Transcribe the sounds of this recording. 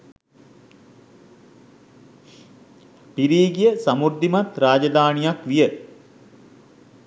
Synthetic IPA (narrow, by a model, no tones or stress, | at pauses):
piɾiːɡijəsamud̪ːimat̪ɾaːd͡ʒad̪aːnijakʋijə